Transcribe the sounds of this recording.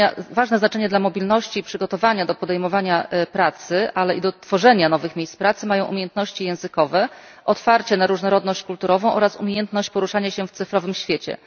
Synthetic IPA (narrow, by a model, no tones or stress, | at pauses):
avaʐnɛznat͡ʂɛɲɛd̪lamɔbʲilnɔɕt͡ɕipʂɘɡɔt̪ɔvaɲad̪ɔpɔd̪ɛjmɔvaɲapɾat̪sɘʔalɛʔid̪ɔt̪fɔʐɛɲanɔvɘxmʲejspɾat̪sɘmajɔ̃w̃umʲjejɛnt̪nɔɕt͡ɕijɛ̃w̃zɘkɔvɛ | ʔɔt̪faɾt͡ɕɛnaɾuʐnɔɾɔd̪nɔɕt͡ɕkult̪uɾɔvɔ̃w̃ʔɔɾasṵmʲejɛnt̪nɔɕt͡ɕpɔɾuʂaɲaɕɛft̪sɘfɾɔvɘmɕfʲjet͡ɕɛ̰